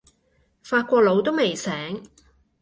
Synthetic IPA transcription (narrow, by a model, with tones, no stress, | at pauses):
faː˧t̚kʷɔː˧k̚lo˨˧wt̪̬o˥wme˨jsɛː˨˥ŋ